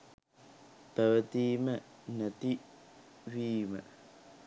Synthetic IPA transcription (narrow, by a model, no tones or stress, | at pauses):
pəwət̪imə | nət̪i | wiːmə